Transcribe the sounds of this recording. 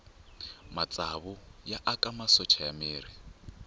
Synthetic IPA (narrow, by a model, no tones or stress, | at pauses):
mat͡sʼaβʊjaʔakʼamasɔt͡ʃʰajamiːɾi